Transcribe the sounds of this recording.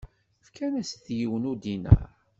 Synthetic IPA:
fkʰænæsθjiwənud̪inæ̰

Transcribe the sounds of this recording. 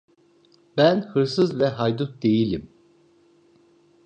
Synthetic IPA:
bænhɯɾsɯzvɛɦajd̪ut̪̚d̪e̞jilʲim

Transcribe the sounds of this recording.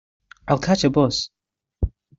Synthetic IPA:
aɪlˠkʰat͡ʃəbʊs

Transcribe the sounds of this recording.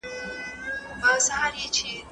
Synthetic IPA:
basuhaɾjɐt͡ʃeː

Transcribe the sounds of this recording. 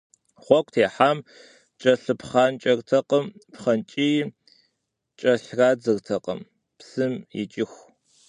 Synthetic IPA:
χʷɔkʷʰʼtʰeːħaːm | t͡ʃʼɐɬɨpχaːnt͡ʃʼɐrtʰɐqəmpχɐnt͡ʃʼij | t͡ʃʼɐɬraːd͡zɨrtʰɐqʼə̰m | psɨmjɪ̰t͡ʃʼɪxʷ

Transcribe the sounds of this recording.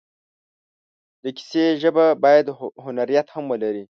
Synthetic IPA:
d̪əki̥seʒəbabɑjad̪ɦʊnaɾijat̪hamwəlaɾi

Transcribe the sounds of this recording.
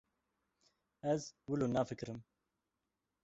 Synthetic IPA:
ɛzwəloːnaːfɨkɾɨm

